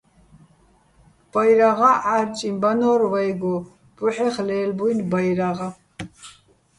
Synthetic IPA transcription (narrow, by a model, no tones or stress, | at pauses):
b̥ajɾaʁaʔaɾt͡ʃʼimbanɔːɾvajɡɔ | b̥uħɛχlɛːlbujnbajɾaʁa